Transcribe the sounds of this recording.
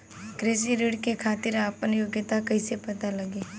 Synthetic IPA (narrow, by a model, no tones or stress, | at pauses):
kɾɪs̬iɾiːɽkekʰaːt̪ɪɾaːpənjoːɡjət̪akɐisepɐt̪alɐɡeː